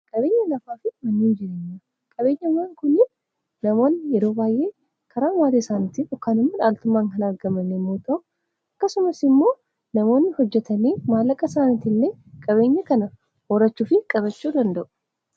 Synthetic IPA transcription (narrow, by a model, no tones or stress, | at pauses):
kʼɐbe̞ːɲːɐlɐfaːfɪmɐnːiːnd͡ʒɪɾeːɲːɐ | kʼɐbe̞ːɲːɐwaːŋkʊnːɪn | nɐmo̞ːnːɪjɛɾo̞ːbaːjʔe̞ː | kʰɐɾaːnwaːd̪esaːnit̪ɪɔkːaːnɪmːɐᶑaːlt̪ʊmːaːŋkɐnɐɾɡɐmɐnːemːoːt̪ɐʊ | ʔɐkːɐsʊmɐsɪmːo̞ː | nɐmo̞ːnːɪhɔd͡ʒːɛt̪ɐneːmaːlːɐkʼːɐsaːnit̪ɪlːeː | kʼɐβe̞ːɲːɐkɐnɐ | wɔɾɐt͡ʃːuːfɪkʼɐβɐt͡ʃːuːd̪ɐnd̪ɐʔʊ̥